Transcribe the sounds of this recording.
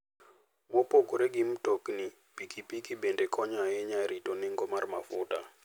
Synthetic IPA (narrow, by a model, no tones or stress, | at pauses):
bopokoɾeɡimtokni | pikipikibendekʰɔɲajɛɲaɾitonɛŋɡomarma̰fʊ̰ta̰